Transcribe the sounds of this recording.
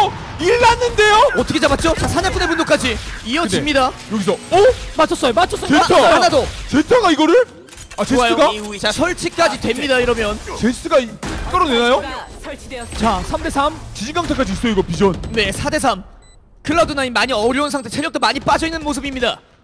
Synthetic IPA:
iɭːanːɯnde̞joʌt͈ʰʌkʰet͡ɕabat̚t͡ɕ͈ot͡ɕasʰanep͈unepundok͈ad͡ʑiiʌd͡ʑimɲidajʌɡisʰʌʌmat͡ɕʰʌs͈ʌjomat͡ɕʰʌs͈eaaanadot͡ɕetʰaɡaiɡʌɾɯɭ | at͡ɕeosaj͈ɯoɡat͡ɕasʰʌɭt͡ɕʰik͈ad͡ʑidwe̞mɲidaiɾʌmjʌnt͡ɕess͈ɯɡak͈ɯɾonenajo | t͡ɕasʰamde̞sʰamt͡ɕid͡ʑiŋɡaŋtʰak͈ad͡ʑis̬͈ʰoiɡʌpid͡ʑʌnne̞sʰade̞s̬ʰam | kɯɭːadunaimaɲiʌɾjʌunsʰaŋtʰe̞t͡ɕʰeɾjʌk̚t͈omaɲip͈ad͡ʑʌinːɯnmos̬ʰɯbimɲida

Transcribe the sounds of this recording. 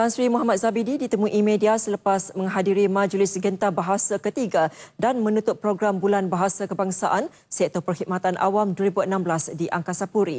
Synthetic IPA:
t̪ansɾimɔɦamat̪̚zabididit̪əmũʔimẽdiasələpasmə̃ŋɦadiɾimãd͡ʒlɪsɡənt̪abaɦasakət̪iɡadanmə̃nũt̪ʊt̪̚pɾoɡɾambulanbaɦasakəbaŋsaʔan | sɛt̪opərhit̚mat̪anʔa̰wamduəɾibuənãmblasdiʔaŋkasapuɾi

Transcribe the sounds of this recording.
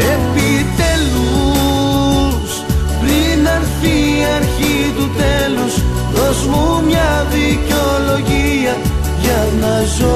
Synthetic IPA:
epit̪e̞lu | s | pɾinɐɾθiːɐɾçit̪ut̪e̞lus | ɾozmumɲɐðiceo̞lo̞ʝi | ɐ | ʝɐ | nɐ | zo

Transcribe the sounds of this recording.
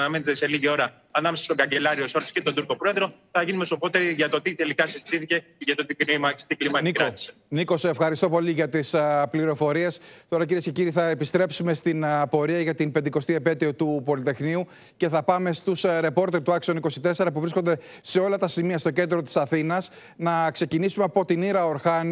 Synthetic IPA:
nɐmenet̪ese̞liʝio̞ɾɐ | ɐnɐmesɐst̪o̞ɡɐɲɟelɐɾio̞soɾt̪iscet̪od̪uɾko̞pɾo̞e̞ðɾo̞θɐʝinume̞sopo̞t̪eɾiʝɐt̪o̞t̪iθe̞likɐsizit̪iθice̞ʝɐt̪ot̪ikmɐt̪iklimɐnikɾɐi̥se̥ | niko̞sefxɐɾist̪o̞po̞liʝɐt̪ispliɾo̞fo̞ɾie̞st̪o̞ɾɐc̬iɾiesce̞ciɾiθɐepist̪ɾe̞psume̞st̪inpo̞ɾiɐʝɐt̪impend̪iko̞st̪iepe̞t̪iot̪upo̞lit̪e̞xniu | ce̞θɐpɐme̞st̪usɾe̞po̞ɾt̪e̞ɾt̪uɐksioniko̞sit̪e̞se̞ɾɐpuvɾiskond̪e̞ | se̞o̞lɐt̪ɐsimiɐst̪o̞ce̞nd̪ɾo̞t̪isɐθinɐs | nɐkse̞cinisumeɐpo̞t̪iniɾɐo̞ɾxɐn

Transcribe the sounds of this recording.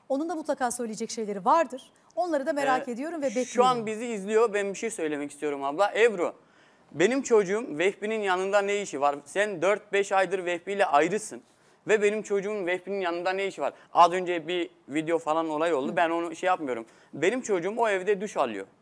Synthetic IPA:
onund̪amut̪lˠakʰaːsø̞jlʲijed͡ʒɛcʃe̞jlʲeɾivaɾd̪ɯɾ̥ | o̞nlˠaɾɯd̪ameɾake̞d̪ijo̞ɾumvɛbɛʃuanbiziːzlʲijo̞bænbiʃesø̞jlʲe̞mɛcist̪ʰijo̞ɾumablˠaʔɛvɾo | be̞nimt͡ʃʰo̞d͡ʒuːumvɛfpininjanɯnd̪anejiʃivaɾsænd̪øɾt̪̚bɛʃajd̪ɯɾvɛfpijlʲɛʔajɾɯsɯn | vɛbe̞nimt͡ʃʰo̞d͡ʒuːumvɛfpininjanɯnd̪anejiʃivaɾazø̞nd͡ʒɛbi | vid̪eo̞falˠano̞lˠajo̞lˠd̪ubæno̞nuʃɛjap̚mɯjo̞ɾum | be̞nimt͡ʃʰo̞d͡ʒuːmo̞evd̪ɛd̪yʃalˠɯ̰jo̰

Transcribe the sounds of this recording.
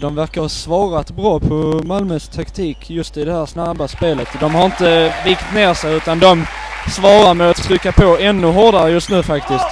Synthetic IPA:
d̪ɔmvæɾkaɾhɑsvɑːɾat̪bɾɑːpʰɔmalmœst̪ʰakt̪ʰiːkjɵst̪ɪd̪ɛhæːɾsnabːaspeːlət̪d̪ɔmhaɾɪnt̪əviːkt̪neːɾʂɛjʉ̟ːt̪and̪ɔmsvɑːɾaɾmɛat̪ʰːɾʏkːapʰoːɛnːɵɦɔɖaɾəjɵst̪nʉ̟ːfakt̪ɪskt̪

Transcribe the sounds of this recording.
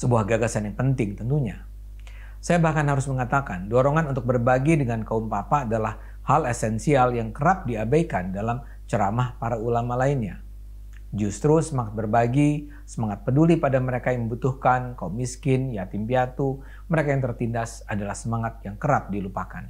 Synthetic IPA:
səbuahɡaɡasanjaŋpənt̪ɪŋt̪ənt̪uɲa | sajabahkanhaɾʊsməŋat̪akandɔɾoŋanunt̪ʊk̚bərbaɡidəŋankaumpapaːdalah | halesɛnsialjaŋkəɾap̚diabajkandalam | t͡ʃəɾamahpaɾaulamalainɲa | d͡ʒust̪ɾusəmaŋat̪̚bərbaɡi | səmaŋat̪̚pədulipadaməɾekajaŋməmbut̪uhkankaumiskɪnjat̪impiat̪u | məɾekajaŋt̪ərt̪indas | adalahsəmaŋat̪̚jaŋkəɾap̚dilupakan

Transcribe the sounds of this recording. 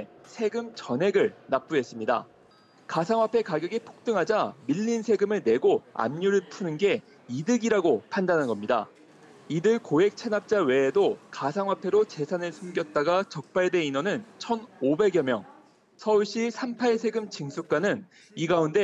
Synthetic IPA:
sʰe̞ɡɯmt͡ɕʌnɦe̞ɡɯɭnap͈ue̞s͈ɯmɲida̰ | kasʰaŋwapʰe̞kaɡjʌɡipʰo̥k̚t͈ɯŋɦad͡ʑamiʎːinsʰe̞ɡɯmɯɭne̞ɡoa̰mɲuɾɯɭpʰunɯnɡe̞ | idɯɡiɾaɡopʰandanɦanɡʌmɲida̰ | idɯɭkoɦe̞k̚t͡ɕʰe̞nap̚t͡ɕ͈awe̞ːdokasʰaŋwapʰe̞ɾot͡ɕe̞sʰanɯɭsʰumɡjʌt̚t͈aɡat͡ɕʌk̚p͈aɭdwe̞inwʌnɯnt͡ɕʰʌnobe̞ɡjʌmjʌŋ | sʰʌuɭɕ͈isʰampʰaɭsʰe̞ɡɯmt͡ɕɯŋsʰuk̚k͈anɯn | iɡaunde̞

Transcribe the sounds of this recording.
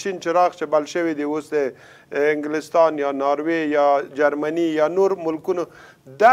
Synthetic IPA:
t͡ʃint͡ʃeɾɑxt͡ʃebalʃəwid̪iosd̪ə | ɪŋɡlɪst̪ɑnjɑnɑɾwejɑd͡ʒaɾmanijɑnoɾmʊlkuno | d̪a

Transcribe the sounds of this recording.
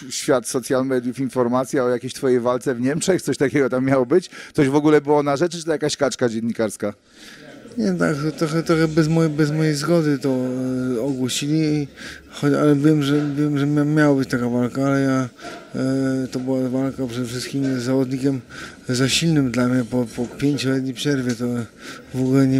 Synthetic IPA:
ɕfʲjat̪sɔt̪sʲjalmɛd̪ʲjufinfɔɾmat̪sʲjaɔjakʲeɕt̪fɔjejvalt̪sɛvɲɛmʂɛxt̪sɔɕt̪akʲɛɡɔt̪amːʲjawɔbɘt͡ɕt̪sɔʑvɔɡulɛbɘwɔnaʐɛt͡ʂt͡ʂɨt̪ɛjakaɕkat͡ʂkad͡ʑɛnːikaɾska | ɲɛt̪a̰kt̪ɾɔxɛt̪ɾɔxɛbɛzmɔjbɛzmɔjejzɡɔd̪ɘt̪ɔ | ɔɡwɔɕilʲi | xɔt͡ɕa̰lɛvʲjɛmʐɛvʲjɛmʐɛmʲjamʲjawabɘt͡ɕt̪akavalkaalɛja | t̪ɔbɨwavalkapʂɛd̪ɛfʂɘst̪kʲimzavɔd̪ɲikʲɛmzaɕilnɘmd̪lamɲɛpɔpɔpʲjeɲt͡ɕɔlɛt̪ɲipʂɛɾvʲjɛt̪ɔvɔɡulɛɲɛ

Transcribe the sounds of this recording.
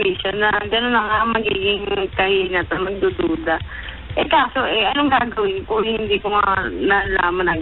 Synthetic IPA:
iːʃɐnɐɡɐnonːɐŋamɐɡḭːɡɪŋkɐhiːnɐt̪ɐmɐɡ̚d̪ud̪uːd̪ɐ | ʔɛkaːsoʔɛʔɐnoŋɡaːɡɐwɪnkohɪnd̪iːkomɐnala̰ːmɐnɐ

